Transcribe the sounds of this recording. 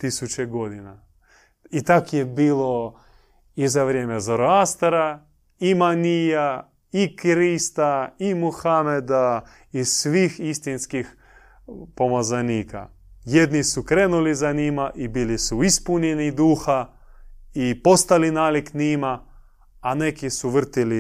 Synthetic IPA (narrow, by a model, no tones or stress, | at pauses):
t̪isut͡ʃeɡo̞d̪ina | it̪akjebiːlo | izaʋɾjeːmezoɾoast̪aɾa | imanija | ikɾist̪aimuxamed̪a | isʋiːxist̪inskix | pomazaniːka̰ | jed̪nisukɾeːnulizanimaʔibilisuispuɲenid̪uːxa | ipo̞st̪alinaːliknimaː | nekisuʋr̩t̪ili